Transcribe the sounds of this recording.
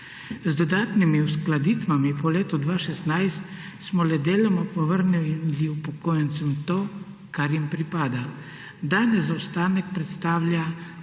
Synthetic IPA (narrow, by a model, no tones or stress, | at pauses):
zd̪ɔd̪aːt̪nimiusklad̪iːt̪ʋamipɔleːt̪ud̪ʋaːʃɛsnajst̪ | smɔlɛd̪eːlɔmɔpɔʋəɾniliupɔkoːjɛnt̪sɛmt̪oː | kaɾjimpɾipaːd̪a | d̪aːnɛzawst̪aːnɛk̚pɾɛt̪st̪aːwlʲja